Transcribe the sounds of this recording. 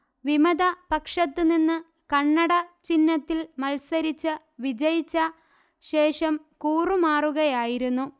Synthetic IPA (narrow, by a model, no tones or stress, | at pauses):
ʋimɐd̪ɐpɐkʂɐt̪ːɨninːɨ | kɐɳːɐɽɐt͡ɕinːɐt̪ːilmɐlsɐɾit͡ɕːɨ | ʋid͡ʑɐjit͡ɕːɐ | ɕe̞ːʂɐm | kuːrumaːruɣɐjaːjiɾunːu